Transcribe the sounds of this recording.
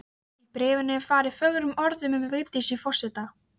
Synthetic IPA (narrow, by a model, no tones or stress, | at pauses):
ipɾɪːvɪnːɪfaːɾɪfœɣɾʏmɔɾðʏmʏmvɪɣt̪isifɔr̥sɪt̪a